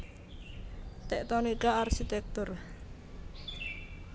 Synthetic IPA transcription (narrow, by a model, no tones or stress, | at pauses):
t̪ɛʔt̪onikaarsit̪ɛk̚t̪ʊr